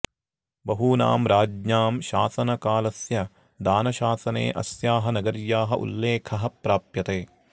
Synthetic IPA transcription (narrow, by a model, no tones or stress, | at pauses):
bɐɦuːna̰ːmɾaːd͡ʒɲaːmʃa̰ːsɐnɐkaːlɐsjɐ | d̪aːnɐʃaːsɐnḛːʔɐ̰sjaːɦɐnɐɡɐɾjaːɦɐʔṵlːeːkʰɐɦɐpɾaːpjɐt̪eː